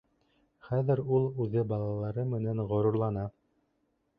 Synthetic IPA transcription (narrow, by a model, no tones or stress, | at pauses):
χæðɘɾulˠʉðɘbɑlˠɑlˠɑɾɤmɘ̆nænʁŏɾuɾlˠɑnɑ